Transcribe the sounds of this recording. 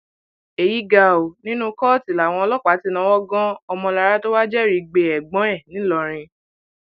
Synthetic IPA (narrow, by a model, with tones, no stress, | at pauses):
e˨ji˨˦ɡa˧˨o˨nĩ˦nũ˦kɔ˦˨ti˨la˨w̃ɔ̃˧lɔ˦˨k͡pa˨˦ti˦nã˦wɔ˦ɡɔ̃˦ɔ˧mɔ̃˧la˧ɾa˦to˦wa˦d͡ʒɛ˦˨ɾi˨˧˨ɡ͡be˨ɛ˨ɡ͡bɔ̃˨˦ɛ̃˦˨nĩ˨˦lɔ˧˨ɾ̃ĩ˧